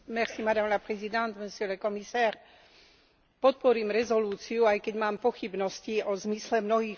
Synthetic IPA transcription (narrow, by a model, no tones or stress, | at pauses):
mɛɾsimad̪aːmlapɾɛzid̪ant̪mɛsilɛkɔmisaːɾ | pɔt̪̚pɔɾiːmɾɛzɔluːt͡siuajkɛɟmaːmpɔxibnɔsciɔzmislɛmnɔɦiː